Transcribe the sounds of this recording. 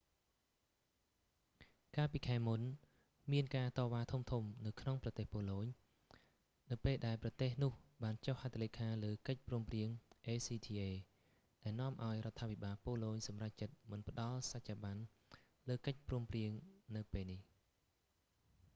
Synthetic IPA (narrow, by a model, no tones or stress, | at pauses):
kaːlpiːkʰaɛmun | miənkaːt̪ɑːʋaːt̪ʰumt̪ʰumnɨwkʰnoŋprɑt̪eːhpoːloːɲ | nɨwpeːlɗaɛlprɑt̪eːhnʊ̆əhɓaːnt͡ɕohat̪ʰalekʰaːləːkəc̚pruːəmpriəŋʔeːsiːt̪ʰiːʔeː | ɗaɛlnɔ̆əmʔaɔjrŏət̪ʰːaːpʰiɓaːlpoːloːɲsɑmrac̚t͡ɕət̪̚mɨnpə̆ɗɑlsac̚t͡ɕaːɓan | ləːkəc̚pruəmpriəŋnɨwpeːlnih